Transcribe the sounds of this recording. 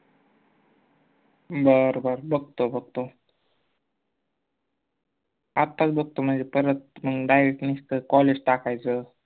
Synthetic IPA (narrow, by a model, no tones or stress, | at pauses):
bəɾbəɾbəɡ̚t̪obəɡ̚t̪o | at̪ːat͡sbəɡ̚t̪om̤ənd͡zepəɾət̪̚məɡɖajɾek̚ʈnist̪əkɔled͡ʑʈakajt͡sə